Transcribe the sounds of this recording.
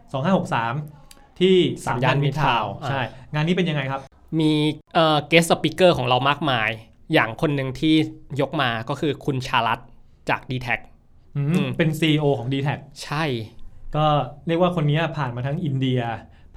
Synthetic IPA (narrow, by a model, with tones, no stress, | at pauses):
sɔː˨˦ŋɦaː˥˩ho˨˩k̚saː˩˦m | t̪ʰiː˥˩saː˨˩˦mdaː˥˩nmi˦˥t̪ʰaː˧wʔat͡ɕːʰa˧˥˩jŋaː˧nːiː˦˥pe˧nja˧ŋːa˧jkʰa˦˥p̚ | miː˧ʔəː˨˩keː˦˥s̚sa˧pi˦˥kːɤː˥˩kʰɔː˩˦ɾa˧wmaː˥˩k̚maː˧j | jaː˨˩ŋkʰo˧nːɯ˧ŋt̪ʰiː˥˩jo˦˥k̚maː˧kɔː˥˩kʰɯː˧kʰu˧nt͡ɕʰaː˧la˦˥t̪̚ | t͡ɕaː˨˩k̚diː˧t̪ʰɛ˦˥k̚ | ʔɯ˧˥ɯ˧˩pe˧nsiː˧ʔoː˧kʰɔː˩˦ŋdiː˧t̪ʰɛ˦˥k̚t͡ɕʰa˥˩jkɔː˥˩ɾi˥˩ək̚waː˥˩kʰo˧nːiː˦˥ɐpʰaː˨˩nmaː˧t̪ʰa˦˥ŋʔi˧ndi˧ɐ